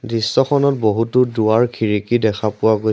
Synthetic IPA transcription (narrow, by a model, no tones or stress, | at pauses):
disːɔxʰɔnɔt̚boɦutʊduwaɹkʰiɹikidɛkʰapʊaɡo